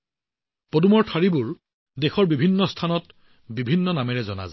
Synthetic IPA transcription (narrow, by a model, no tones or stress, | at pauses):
podumɔɹtʰaɹibʊɹ | dexɔɹbibʱinːɔstʰanɔt | bibʱinːɔnamɛɹɛzɔna̰za